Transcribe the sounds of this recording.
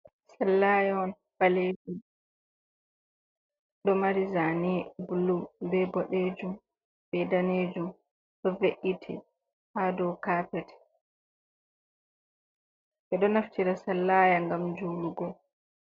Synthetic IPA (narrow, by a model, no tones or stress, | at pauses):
salːaːjaɔn | faled͡ʒu | ɗɔmaɾizanibulubɛbɔɗeːd͡ʒum | bɛdaneːd͡ʒum | ɗɔveʔitʰḭ | hadɔwkaːpɛtʰɛ̥ | ʔɛɗɔnaftiɾasalːaːjaŋɡamd͡ʒuluɡɔ